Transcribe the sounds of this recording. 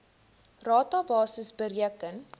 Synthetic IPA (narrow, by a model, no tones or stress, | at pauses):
rɑːtɑbɑːsəsbəɾiəkən